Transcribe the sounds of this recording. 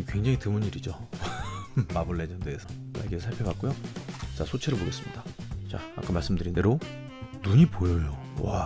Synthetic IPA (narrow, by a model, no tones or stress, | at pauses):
kwe̞ŋd͡ʑaŋitɯmɯɲiɾid͡ʑo | mabɯɭːed͡ʑʌndeːsʰʌ | a̰jɡisʰaɭpʰebak͈̚ujot͡ɕasʰot͡ɕʰeɾɯɭboɡes͈ɯmɲidat͡ɕa̰a̰k͈amaɭs͈ɯmdɯɾinde̞ɾo | nuɲipojʌjo | wa